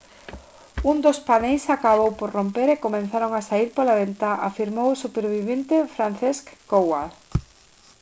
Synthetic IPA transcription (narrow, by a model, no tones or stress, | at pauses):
und̪ospanejsakaβowpoɾrompeɾekomẽnθaɾoŋasaiɾpolaβent̪aʔafiɾmowosupeɾβiβent̪efɾan̟θeskːowal